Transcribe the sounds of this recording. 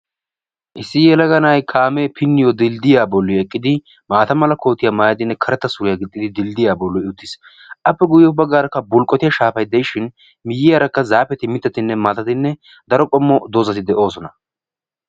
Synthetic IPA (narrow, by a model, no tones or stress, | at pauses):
ʔɪsːɪjɛlɐɡɐnajkʰaːmeːpʰɪnːɪjɔd̪ɪld̪ɪjaːbɔlːɪɛkʼːɪd̪ɪ | maːt̪ɐmɐlɐko̞ːt̪ːɪjamaːjɐd̪ɪnːɛkʰɐɾɛt̪ːɐsʊɾɪjaɡɪt̪ʼːɪd̪ɪd̪ɪld̪ɪjaːbɔlːɔɪʊt̪ːɪs | ʔɐpːɛɡʊjɛʊbɐɡaːɾɐkːɐbʊlkʼːɔt̪ɪjɐʃaːfɐjd̪ɛjʃɪn | mɪjːɪjaɾɐkːɐzaːpɛt̪ɪmɪt̪ːɐt̪ɪnːɛmaːt̪ɐt̪ɪnːɛ | d̪ɐɾɔkʼɔmːɔd̪oːzɐt̪ɪd̪ɛʔo̞ːsɔnɐ